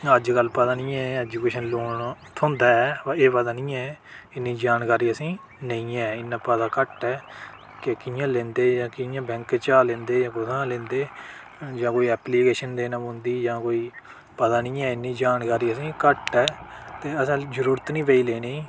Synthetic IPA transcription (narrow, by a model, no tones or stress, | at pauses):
əd͡ʒkəlpəd̪aːnĩːɛːɛd͡ʒuːkeːʃənloːɳt̪ʰõnd̪aːɛːpːeːpəd̪aːnĩːɛː | ɪnːiːd͡ʒaːnkaːɾiːəsĩː | nəĩːɛːɪnːãːpəd̪aːkəʈɛː | kekɪjãːlẽːnd̪eːd͡ʒãːkɪjãːbɛ̃ːŋket͡ʃaːlẽːnd̪eːd͡ʒãːkʊt̪ʰãːlẽːnd̪eː | d͡ʒãːkoːiːɛːpliːkeːʃənd̪eːnãmʊ̃nd̪iːd͡ʒãːkoːiː | pəd̪aːnĩːɛːɪnːiːd͡ʒaːnkaːɾiːəsĩːkəʈɛːt̪eːəsãːd͡ʒəɾuːɾət̪nĩːpeːiːleːneː